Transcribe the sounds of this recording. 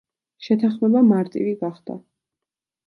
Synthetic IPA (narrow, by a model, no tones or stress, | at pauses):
ʃɛt̪ʰaχmɛbamaɾt̪ʼḭviɡaχd̪̥a̰